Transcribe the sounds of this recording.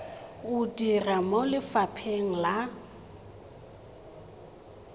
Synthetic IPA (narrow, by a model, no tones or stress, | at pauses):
udiramolɪfapʰeŋ̩la